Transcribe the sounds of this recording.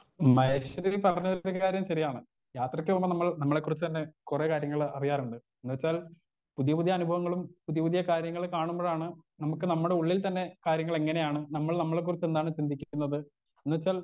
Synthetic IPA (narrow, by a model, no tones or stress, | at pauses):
mɐjɕɐɾilpɐrɐɲːɐðiɾukaːɾjɐmɕɐrijaːɳɨ | jaːt̪rɐkʲːɨombɐnɐmːɐɭnɐmːɐɭe̞kːurit͡ɕːɨt̪ɐnːe̞kureːkaːɾjɐŋːɐɭɐrijaːruɳɖɨ | enːuʋet͡ɕːaːl | puðijɐpuðʱjɐɐnubʱɐʋɐŋːɐɭumpuðijɐpuðijɐkaːɾjɐŋːɐɭkaːɳumboːɭaːɳɨnɐmukːɨnɐmːuɽe̞uɭːilt̪ɐnːe̞kaːɾjɐŋːɐɭeŋːɐne̞jaːɳɨnɐmːɐɭnɐmːɐɭe̞kːurit͡ɕːe̞nd̪aːɳɨt͡ɕind̪ʱikʲːunːɐðɨ | enːuʋet͡ɕːaːl